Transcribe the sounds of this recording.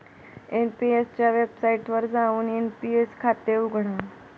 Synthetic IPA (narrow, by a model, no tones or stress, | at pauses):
enpiest͡ɕjaʋebsaiʈʋəɾd͡zauːnenpieskʰat̪euɡʱɽ̃a